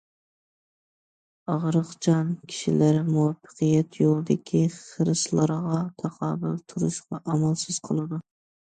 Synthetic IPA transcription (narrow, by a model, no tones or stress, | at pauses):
ɑʁɾɨqt͡ʃʰɑnkʲʰi̥ʃilæɾɪmuwɑfːə̥qʰɨjɛt̪jolˠɨd̪ɪkʲʰiχəɾɨslˠɑɾʁɑt̪ʰɑqʰɑːbɨlˠt̪ʰuɾɨʃqɑʔɑmɑlˠsɨz̥qʰəlˠɨd̪u